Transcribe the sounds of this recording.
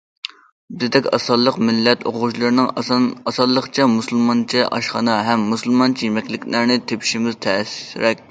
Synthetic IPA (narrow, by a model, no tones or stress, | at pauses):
bɪzd̪ɛkʲɑ̰sɑlˠːəqmɪlːɛt̪o̰ʁʊʃlˠɨɾɨnɨŋɑsɑlˠːəχt͡ʃʰɛmusɨlˠmɑnt͡ʃʰiʔɑ̰ʃχɑnɑɦɛmːusɨlˠmɑnt͡ʃʰijimɛkʲlɪkʲlæɾnɪt̪ʰepʰi̥ʃimɪzt̪ʰɛsɾɛkʲ